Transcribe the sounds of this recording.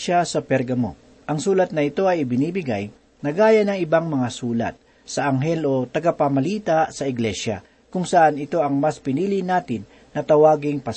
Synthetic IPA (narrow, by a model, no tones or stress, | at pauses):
asɐpɛɾɡɐmo̰ | ʔɐŋsuːlɐt̪̚nɐɪt̪o̞ɐjɪbɪniːbɪɡa̰j | nɐɡaːjɐnɐŋɪbaŋmɐŋasuːlɐ̰t̪̚ | sɐʔɐŋɦɛlʔo̞t̪ɐɡapamɐliːt̪asɐɪɡlɛʃa̰ | kʊŋsɐʔanɪt̪o̞ʔɐŋmaspɪniːlɪnaːt̪ɪnːɐt̪ɐwaːɡɪŋpɐ